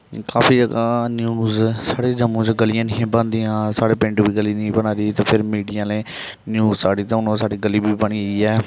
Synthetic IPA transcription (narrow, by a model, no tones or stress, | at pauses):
kaːpiːd͡ʒəɡaːnjuːzsaːɽeːd͡ʒəmõːt͡ʃɡəlɪjãːnĩːbə̃nd̪iːãːsaːɽeːpɪ̃ɳʈbiːɡəlinĩːbənaːɾiːt̪aːpʰɪɾmiːɖijãːlẽː | njuːzsaːɽiːd͡ʒ̪əʊnõːsaːɽiːɡəliːbiːbəɳiːəiːɛː